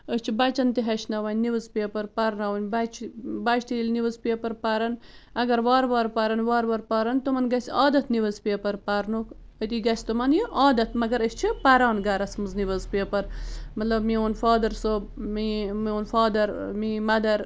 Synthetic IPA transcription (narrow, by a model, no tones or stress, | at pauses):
əsʲt͡ʃʰibɐt͡ʃɐnt̪iɦɐʃnɐʋɐnʲniʋɨzpeːpɐɾpɐɾnɐʋɐnʲbɐt͡ʃʰbɐt͡ʃʰt̪ilʲniʋɨzpeːpɐɾpɐɾɐnɐɡɐɾʋaːɾʋaːɾpɐɾɐnʋaːɾʋɐɾpaːɾɐnt̪umɐnɡɐsʲaːd̪ɐt̪ʰniʋɐzpeːpɐɾpɐɾnuk | ət̪iɡɐsʲt̪umɐnjiʔaːd̪ɐt̪mɐɡɐɾəst͡ʃʰipɐɾaːnɡɐɾɐsmɨzniʋɐzpeːpɐɾmɐt̪lɐbmioːnfaːd̪ɐɾsobmimioːnfaːd̪ɐɾmimɐd̪ɐɾ